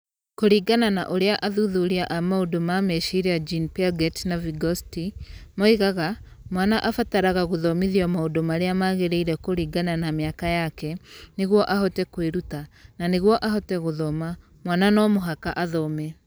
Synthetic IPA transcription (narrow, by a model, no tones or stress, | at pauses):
koɾiːɡananaʔoɾeaʔaðuðuɾiaʔamaodomamɛʃiɾead͡ʒinpiaɡɛtnaviɡɔstimɔiɣaɣa | mwaːnaʔafataɾaɣaɣoðɔmiðiɔmaodomaɾeamaɣeɾeiɾɛkoɾiːɡananameakajakɛneɣwɔʔaɦɔtɛkweɾutananeɣwɔʔaɦɔtɛɣoðɔma | mwananɔmoɦakaʔaðɔmɛ